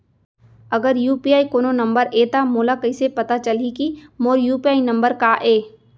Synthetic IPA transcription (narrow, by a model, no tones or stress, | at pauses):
ɐɡəɾjuːpiaːikoːnonɐ̃mbəɾʔeːt̪amoːlakɐisepɐt̪at͡ʃɐlikimoːɾjuːpiaːinɐ̃mbəɾkaʔeː